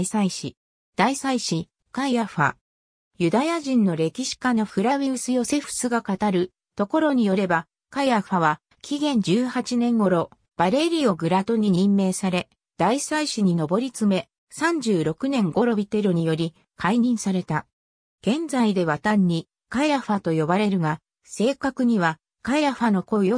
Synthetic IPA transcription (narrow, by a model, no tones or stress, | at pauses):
isaiɕḭ | d̪̥aisaiɕi | kaijaɸa̰ | jɯ̟d̪ajaʑĩnːo̞ɾe̞kʲiɕi̥kano̞ɸɯ̟ɾaβʲiɯsɨjo̞se̞ɸɯ̟̥sɨɡakat̪aɾɯ̟ | t̪o̞ko̞ɾo̞ɲ̟ijo̞ɾe̞ba | kaijaɸaβa | kʲʰiɡẽ̞ɲ̟d͡ʑɨːhat͡ɕinẽ̞ŋɡo̞ɾo̞ | b̥aɾe̞ɾʲio̞ɡɯ̟ɾat̪o̞ɲ̟iɲ̟ĩmːe̞ːsaɾe̞ | d̪̥aisaiɕiɲ̟ino̞bo̞ɾʲit͡sɨme̞ | sãɲ̟d͡ʑɨːɾo̞kɯ̟nẽ̞ŋɡo̞ɾo̞bʲit̪e̞ɾoɲ̟ijo̞ɾʲi | kʰaiɲ̟ĩɰ̃saɾe̞t̪a | ɡ̥ẽ̞nd͡zaid̪e̞βat̪ãɲ̟ːi | kaiɾaɸat̪o̞jo̞baɾe̞ɾɯ̟ɡa | se̞ːkakɯ̟ɲ̟iβa | kaiɾaɸano̞ko̞jo